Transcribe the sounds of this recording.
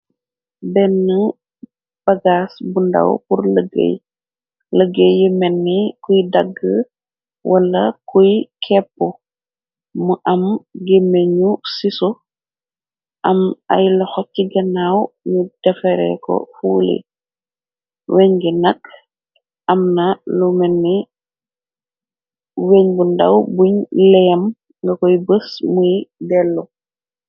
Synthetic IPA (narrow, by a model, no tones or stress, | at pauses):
bɛnːə | b̥ɐɡaːsbundɐ̰wpurləɡḛj | ləɡəjjəmɛnːikujdaɡːə | wʔɐlːɐkujkʰɛpːɔ | muʔɐmɡemeɲusisɔ | ʔɐma̰jlɐxɔcːiɡɐnawmud̥ɐfɛɾɛ̰kɔ̰fuːlḛ | weɲɡɛnak | ʔɐmnalumɛnːi | weɲbunda̰wbuɲlɛjɐm | ŋɡɐkɔjbəsmujdɛlːɔ